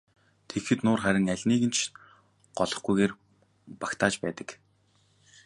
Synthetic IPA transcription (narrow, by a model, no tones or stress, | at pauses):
t̪ʰexɘ̆t̪nʊːrχæɾʲɪ̆ŋæɮʲniːɣɘ̆nt͡ɕʰ | ɢ̥ɔɮɞ̆χɡujɣeːr | pḁkt̪ʰaːt͡ɕpæːt̪ə̆k